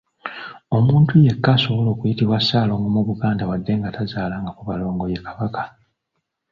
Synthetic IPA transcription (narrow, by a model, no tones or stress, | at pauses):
o̞muːntʰuje̞kːaso̞βo̞lo̞ːkujitiβwasaːlo̞ːŋɡomuβuɡaːndawadːe̞ŋɡatazaːlaːŋɡakuβalo̞ːŋɡojekʰaβakḁ